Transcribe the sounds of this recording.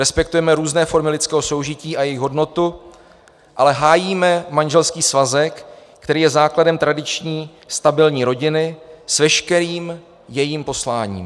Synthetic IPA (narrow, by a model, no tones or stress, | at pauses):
ɾɛspɛkt̪ujɛmɛɾuːznɛːfo̞ɾmɪlɪt̪t͡skɛːɦo̞so̞wʒɪciːʔajɛjɪxɦo̞dno̞t̪u | ʔalɛɦaːjiːmɛmaɲʒɛlskiːsvazɛk | kt̪ɛɾiːjɛzaːkladɛmt̪ɾadɪt͡ʃɲiː | st̪abɪlɲiːɾo̞ɟɪnɪsvɛʃkɛɾiːm | jɛjiːmpo̞slaːɲḭːm